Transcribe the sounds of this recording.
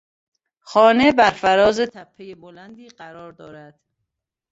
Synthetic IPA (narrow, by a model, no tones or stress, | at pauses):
xɒːne̞bæɾfæɾɒːzet̪ʰæpʰːejebolænd̪iːɢæɾɒːɾd̪ɒːɾæd̪̥